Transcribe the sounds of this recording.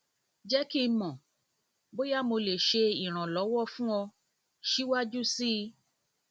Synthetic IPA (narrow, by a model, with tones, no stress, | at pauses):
d͡ʒɛ˦ki˦mɔ̃˨ | bo˦ja˦mo˧le˨ʃe˧i˨ɾ̃ã˨lɔ˨˦wɔ˦fũ˦ɔ̃˧ | ʃi˦wa˦d͡ʒu˦si˦˧